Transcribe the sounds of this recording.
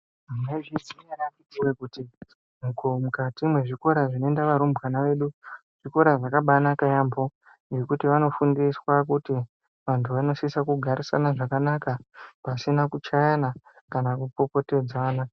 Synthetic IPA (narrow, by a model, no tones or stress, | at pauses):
mneʐisiarakitiwekuti | mukomukatimwe̞ʐiko̞ɾaʐino̞endaʋaɾumbʱwanaʋe̞ɗu | ʐ̥iko̞ɾaʐakaɓanakajaːmbo̞ | ŋekutiʋano̞fundiswakuti | ʋantʰuʋano̞sisakuɡʱaɾisa̰naʐakanakapasinakut͡ʃajana | kanakupo̞po̞te̞d͡zaaːna